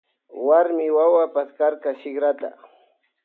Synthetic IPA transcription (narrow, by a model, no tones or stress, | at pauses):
waɾmɪwawapaskaɾkaʃɪχɾat̪a̰